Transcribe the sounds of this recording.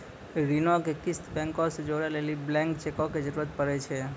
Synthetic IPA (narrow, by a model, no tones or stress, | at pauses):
ɾinɔkekɪst̪bɛ̃ŋkosed͡ʒoɽaleliblɛ̃ŋkt͡ʃekɔked͡ʒəɾuɾət̪̚pəɾet͡ʃʰe